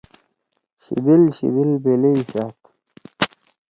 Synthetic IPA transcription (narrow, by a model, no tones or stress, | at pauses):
ɕḭbilɕḭbilbeleisaːk